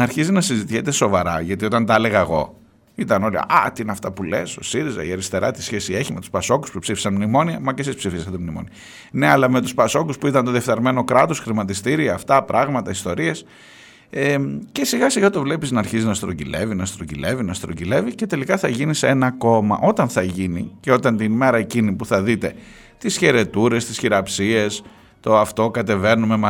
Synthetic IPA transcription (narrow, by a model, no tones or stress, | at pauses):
ɐɾçizinɐsizit̪içet̪e̞so̞vɐɾɐʝɐt̪io̞t̪ɐnt̪ɐle̞ɣɐeɣo̞̰ | it̪ɐno̞lḭɐ̰t̪iineɐft̪ɐpule̞̰so̞̰siɾizɐ̰ie̞ɾist̪e̞ɾɐt̪i̥sçe̞sie̞çime̞t̪u̥spɐso̞ku̥spupsifi̥sɐnmnimo̞niɐmɐcesispsifisɐt̪emnimo̰niɐ | ne̞ɐlɐme̞t̪uspɐso̞kuspuit̪ɐnt̪oðiefθɐɾme̞no̞kɾɐt̪o̞sxɾimɐt̪ist̪iɾiɐːft̪ɐpɾʔɐɣmɐt̪ɐist̪oɾie̞s | ece̞siɣɐsiɣɐt̪o̞vle̞piznɐɾçizinɐst̪ɾocile̞̰vinɐst̪ɾocile̞vinɐst̪ɾocile̞vice̞t̪e̞likɐθɐʝiniseenɐko̞mɐ̰ʔo̞t̪ɐnθɐʝiniceo̞t̪ɐnt̪inme̞ɾɐe̞cinipuθɐðit̪e̞ | t̪isçe̞ɾe̞t̪uɾe̞st̪isçiɾɐpsie̞s | t̪o̞ɐft̪o̞kɐt̪e̞ve̞nume̞mɐ